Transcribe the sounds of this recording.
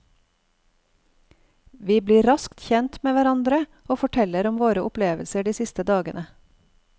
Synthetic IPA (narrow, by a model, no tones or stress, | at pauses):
ʋiːbliːɾɑskt̪çɛnt̪meːʋæɾɑnd̪ɾə | oːfɔʈʰɛləɾʊmʋoːɾəʔʊpleːʋəlsəɖiːsɪst̪əd̪ɑːɡənə